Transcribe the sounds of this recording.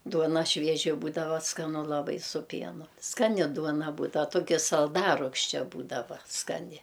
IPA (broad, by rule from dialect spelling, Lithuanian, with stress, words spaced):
ˈduɔnɐ ˈʃʲʋʲiɛʒʲɪ ˈbuːdɐʋɐ skɐˈnʊ lˠɐˈbɐɪ sʊ ˈpʲiɛnʊ skɐˈnʲɪ ˈduɔnɐ ˈbuːdɐw ˈtoːkʲɪ sɐlˠˈdɑːrʊkʃʲt͡ʃʲɛ ˈbuːdɐʋɐ skɐˈnʲɪ